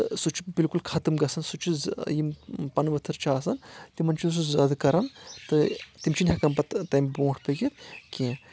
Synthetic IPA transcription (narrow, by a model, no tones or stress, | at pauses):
t̪ɨsut͡ʃʰi̥bilkulkʰɐt̪ɨmɡɐsɐnsut͡ʃʰizjimpɐnʋɐt̪ʰɨɾt͡ʃʰaːsɐnt̪imɐnt͡ʃʰis̬uzɐd̪ɐkɐɾɐnt̪ɨt̪imt͡ʃʰinʲɦɐkɐmpɐt̪t̪ɐjmbõːʈʰpɐɡit̪kʲĩː